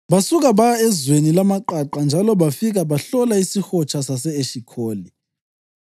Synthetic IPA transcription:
βasuɣ̬aβaɛzwenilamaǃaǃand͡ʒʱalɔβafiɣ̬aβaɬɔlaisixɔt͡ʃʰasasɛeʃikʰoːli

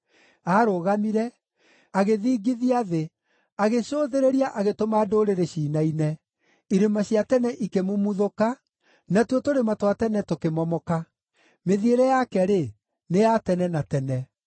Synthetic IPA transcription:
aːɾoɣamiɾɛ | aɣeðiːɡiðiaðe | aɣeɕoːðeɾeɾiaʔaɣetomaːdoɾeɾeɕiːnainɛ | iɾemaɕiatɛnɛʔikemumuðoka | natwotoɾematwatɛnɛtokemɔmɔka | meðieɾɛjakɛɾe | neatɛnɛnatɛnɛ

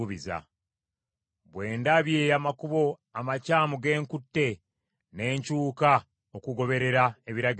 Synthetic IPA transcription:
uβiza̰ | βwe̞ːndaβje̞ːamakuβo̞ | amacaːmuɡe̞ːŋkutːe̞ | ne̞ːɲcuːka | okuɡo̞βe̞ɾe̞ɾae̞βiɾaɡ

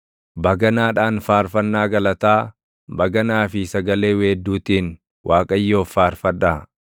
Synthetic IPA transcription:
bɐɡɐnaːᶑaːnfaːɾfɐnːaːɡɐlɐt̪aː | bɐɡɐnaːfɪsɐɡɐle̞ːweːd̪ːuːt̪iːn | wʔaːkʼɐjːo̞ːfaːɾfɐᶑaː

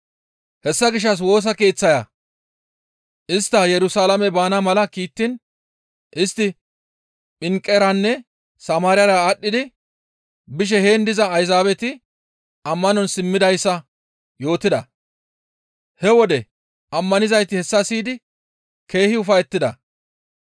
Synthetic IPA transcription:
hɛsːɐɡɪʃ̬ːɐs̬wo̞ːs̬ɐkeːt͡sːɐjɐ | ʔɪst̪ːɐjɛɾʊsaːlɐmɛbaːnɐmɐlɐkiːt̪ːɪn | ʔɪst̪ːɪ | ɓɪŋkʼːɛɾɐnːɛ | sɐmaːɾɪjɐɾɐːɗːɪd̪ɪ | bɪʃ̬ɛheːnd̪ɪzɐːjzaːbɛt̪ɪ | ɐmːɐnɔnsɪmːɪd̪ɐjsːɐ | jo̞ːt̪ɪd̪ɐ | hɛwɔd̪ɛ | ʔɐmːɐnɪzɐjt̪ɪhɛsːɐsiːd̪ɪ | ke̞ːhɪʊfɐjɛt̪ːɪd̪ɐ

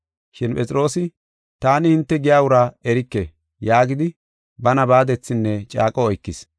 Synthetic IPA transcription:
ʃɪnpʼɛt͡sʼɪɾo̞ːsɪ | t̪aːnɪhɪnt̪ːɛɡɪjaːwʊɾaɛɾɪkːɛ | jaːɡɪd̪ɪ | bɐnɐbaːd̪ɛt͡sːɪnːɛt͡ʃʼa̰ːkʼɔɔjkːɪs

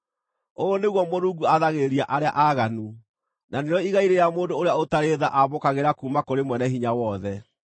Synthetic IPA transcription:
ooneɣwɔmoɾuɡuaðaɣeɾiaʔaɾea̰ʔaɣanu | naneɾɔiɣaiɾejamoːndooɾeaotaɾeðaʔaβokaɣeɾakuːmakoɾemwɛnɛɦiɲawɔðɛ

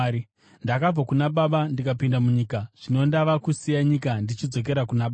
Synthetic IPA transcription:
ndakab͡vakunaɓaɓandikapindamuɲiːkaʐ̥ino̞ndaʋakusijaɲikandit͡ʃid͡zo̞k̬e̞ɾakunaɓa

